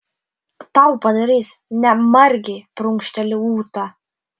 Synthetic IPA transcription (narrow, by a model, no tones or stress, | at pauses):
t̪ɑʊpɐd̪ɐɾʲiːsnʲɛmɐɾʲɡʲɛpɾʊŋkʃʲt̪ʲɛlʲɪuːt̪ɑ